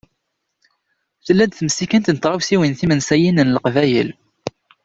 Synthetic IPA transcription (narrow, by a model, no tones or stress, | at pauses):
θəlːæd̪θməsikənt̪nət̪ʁˤawsiwinθimənsæjinənləqvæjəl